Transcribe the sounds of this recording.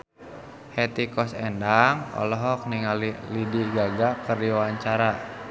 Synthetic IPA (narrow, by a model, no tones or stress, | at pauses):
hɛt̪ikɔsɛndaŋɔ̰lɔɦɔk̚niŋalilidiɡaɡakərdiwaɲt͡ʃaɾa